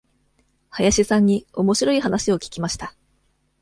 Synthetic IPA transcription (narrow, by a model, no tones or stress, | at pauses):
hajaɕisãɲ̟ːio̞mo̞ɕiɾo̞iɦanaɕio̞kʲi̥kʲimaɕi̥t̪a